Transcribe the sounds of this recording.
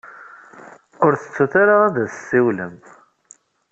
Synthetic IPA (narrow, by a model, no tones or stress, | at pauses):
ʊɾθət͡sːuθaɾaaðæssːiwləm